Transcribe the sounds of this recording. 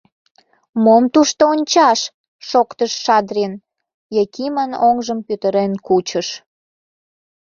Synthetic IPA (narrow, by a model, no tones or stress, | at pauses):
momt̪uʃt̪oonʲt͡ɕɑʃ | ʃokt̪əʃːɑd̪ɾin | jekimənoŋʒəmpyt̪əɾenkut͡ɕəʃ